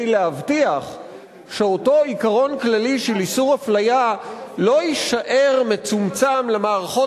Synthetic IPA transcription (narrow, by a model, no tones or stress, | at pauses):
jleavtiaχ | ʃe̞o̞to̞ikaʁo̞nklaliʃelisuʁhaflajalo̞iʃaʔe̞ʁme̞t͡sumt͡samlemaːʁaχo̞